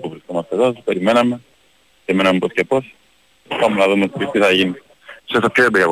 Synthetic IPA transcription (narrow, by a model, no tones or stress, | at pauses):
puvɾiskomɐst̪eðope̞ɾime̞nɐme̞ | peɾime̞nɐmeposce̞po̞s | pɐmunɐðumet̪it̪iθɐʝini | sesɐpçoebiɐ